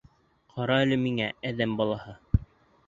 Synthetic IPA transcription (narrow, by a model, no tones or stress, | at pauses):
qʰɑɾɑælɘmiŋææðæmbɑlˠɑhɤ